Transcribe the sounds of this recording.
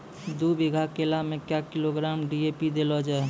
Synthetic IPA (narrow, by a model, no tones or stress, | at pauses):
d̪ubiɡʱakelamẽkjakiloɡɾamɖiepid̪elɔd͡ʒaɛ